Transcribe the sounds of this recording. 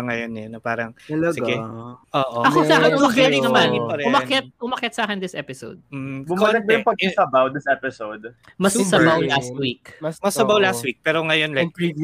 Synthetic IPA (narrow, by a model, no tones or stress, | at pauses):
ŋɐjonɛnopaːɾɐŋɐlɐsɪɡɛʔoːʔoʔɐkosaːkɪnʊmɐkɛt̪ɪɐmalŋɪnpɐɾɛʊmɐkɛt̪̚ʔʊmɐkɛt̪saːkɪnd̪ɪsʔɛpɪsowd̪̚m̩ːbʊmkoɐɪnɐjʊ̃ŋpɐɡ̚sɐbawd̪ɪsɛpɪsowd̪mɐssɐbawlast̪wik̚mɐsɐbawlast̪̚wik̚pɛːɾoŋɐjo̞nlak̚